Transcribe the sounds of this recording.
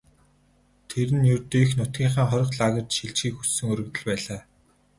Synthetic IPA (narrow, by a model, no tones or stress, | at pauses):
t̪ʰeɾɘ̆njɵrt̪iːxnʊt̪̚ɡʲiːɴχaːχɔɾʲɞ̆qɮaɣə̆t̪ʃiɮt͡ɕxiːxussɵ̆ŋɵɾɵ̆t̪ɵ̆ɮpæːɮaː